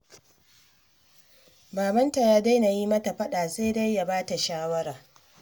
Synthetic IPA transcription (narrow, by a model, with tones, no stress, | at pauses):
baː˨bɐ˦nta˨jaː˦da˦jna˨jiː˦mɐ˦ta˨ɸɐ˦ɗaː˨seː˦da˦jːa˨baː˦ta˨ʃaː˦wɐ˦ɾaː˨